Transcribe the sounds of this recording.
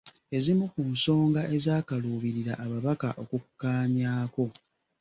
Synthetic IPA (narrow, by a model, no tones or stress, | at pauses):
e̞zimukunso̞ːŋɡaʔe̞zaːkaluːβiɾiɾaʔːβaβakaʔo̞kukːaːɲaːko̞